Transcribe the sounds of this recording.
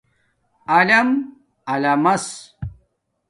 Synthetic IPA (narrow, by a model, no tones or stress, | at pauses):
ɐlɐm | ɐlɐmɐs